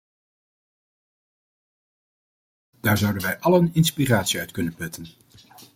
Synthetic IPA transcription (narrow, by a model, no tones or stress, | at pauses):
d̥aːɹzʌwdənʋɛjʔɑlənɪnspiraːtsiœɥtkɵnənpɵtən